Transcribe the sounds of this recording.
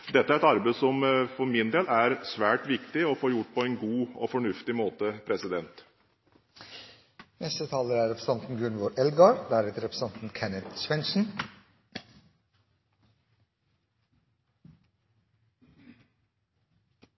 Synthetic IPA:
d̪ɛt̪ːəæɾɛt̪ɑɾbəsɔmfɔɾmɪnd̪eːlæɾsʋæːʈʋɪkt̪ɪɔfoːɾjʊʈːpʰɔɛnɡuːɔ̰fɔɳʉft̪ɪmoːt̪əpʰɾɛsɪd̪ɛnt̪ | nɛst̪ət̪ʰɑːləɾæɾɾɛpɾəsɑnt̪n̩ɡʉɳʋoːɾʔɛlɡɑɾd̪æɾɛt̪əɾɛpɾəsɑnt̪n̩kʰɛnət̪sʋɛnʂn̩

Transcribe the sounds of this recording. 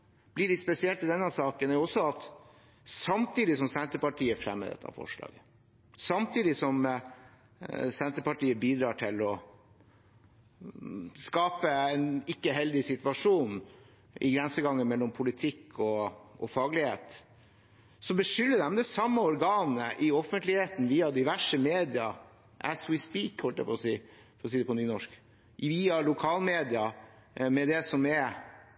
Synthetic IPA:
b̥lɪɖɪspɛsɪɛlt̪ɪd̪ɛnːəsɑːkənæɔsɔɑt̪ | sɑmt̪iːd̪ɪsɔmsɛnt̪əɾpɑʈʰiːəfɾɛ̰mːə̰d̪ɛ̰t̪ʰːɑ̰fɔ̰ʂlɑ̰ːɡə | sɑmt̪ʰiːd̪ɪsɔm | sɛnt̪əpɑʈiːəbiːd̪ɾɑːʈʰɪlɔ | skɑːpəɛnɪkːəɦɛld̪ɪsɪt̪ʋɑʂuːn | ɪ̰ɡɾɛnsəɡɑŋːənmɛlːɔmpʰʊlɪt̪ʰɪkʰːɔʔɔfɑːɡlɪheːt̪ | sɔbəʂʏlːəd̪ɛmd̪ɛsɑmːəɔɾɡɑːnəʔɪɔfənt̪lɪheːt̪n̩ʋiːɑd̪ɪʋæʂəmeːd̪ɪɑ | ʔæ̰swɪspiːkhɔlt̪æ̰pʰɔsiː | fɔɾɔs̬iːd̪ɛpɔnyːnɔʂk | ʋiːɑɭʊkʰɑːlmeːd̪ɪɑ | mɛd̪ɛsɔmɛ

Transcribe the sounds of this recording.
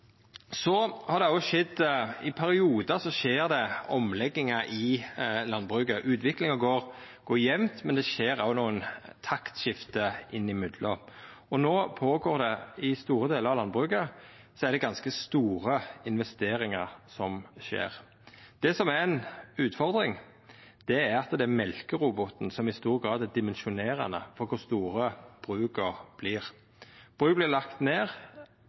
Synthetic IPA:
sɔhɑɾd̪ɛɑʃɛd̪ːɪpʰæɾɪuːd̪əsɔʃeːɾd̪ɛɔmlɛɡːɪŋəʔɪlɑnːbʁʉːkəʔʉːt̪ʋɪklɪŋəɡoːɾ | ɡ̥oːjɛmmt̪mɛnd̪ɛʃeːɾɑʊnuːənt̪ʰɑkt̪ʃɪft̪əɪnːɪmʏd̪lə | ɔnoːpʰoːɡoːɾd̪ɛɪst̪uːɾəd̪eːləɾɑʋlɑnbʁʉkə | sɔæʁd̪ɛɡɑnskəst̪uːɾəɪnʋɛst̪eːɾɪŋəɾsɔmʃḛːʁ | d̪̥ɛsɔmæɾɛnʉːt̪fɔɾd̪ɾɪŋ | d̪̥ɛæɾɑt̪ːd̪ɛæmɛlkəɾubɔt̪n̩sɔmɪst̪uːɾɡʁɑːd̪æd̪ɪmɛnʃʊneːɾɑ̰nə̰fɔɾkʰʊɾst̪uːɾəb̥ɾʉːkəʁb̥lɪːʁ | b̥ʁʉːkblɪlɑkt̪neːʁ

